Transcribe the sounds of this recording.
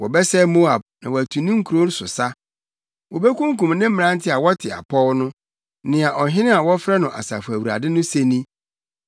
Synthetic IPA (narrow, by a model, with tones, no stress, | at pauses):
wɔ˨bɛ˦sɛ˦mo˦a˨b̚nã̰˨wɔ˨æ˨tʰu˨nĩ˦ŋ̩˦kʰu˨ɾo˦n˦sʊ˨sa˦ | wɔ˨be˦kũ˦ŋ˦kũ˨mnɪ̃˦m̩̃˦˨nã˦n˦tʰɪ˦a˨wɔ˦tʰɪ˨a̰˨pʰɔ˦wnʊ̃˦ | nɪ̃˨a˨ʔɔ˨ɦɪ̃˦nɪ̃˦a˨wɔ˦fɾɛ˦nʊ̃˨ʔa̰˨sa̰˨fʊ˨æ˨wu˨ɾa̰˨dɪ˦nʊ̃˦se˦nĩ˦